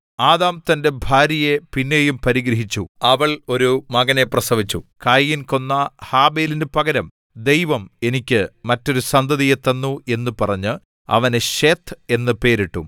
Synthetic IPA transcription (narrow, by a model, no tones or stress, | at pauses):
aːðaːmt̪ɐnde̞bʱaːɾɐjepinːe̞ːjumpɐɾiɡɾɐɦit͡ɕːṵɐʋɐɭo̞ɾumɐɡɐne̞prɐsɐʋit͡ɕːṵkaːjːinko̞nːɐhaːbe̞ːlinde̞pɐɡɐɾɐm | d̪ejʋɐmenikʲːɨmɐtːo̞ɾusɐnd̪ʱɐðijet̪ːɐnːue̞nːupɐrɐɲːɨ | ɐ̰ʋɐneɕeːt̪ʰːe̞nːɨpe̞ːɾiʈːum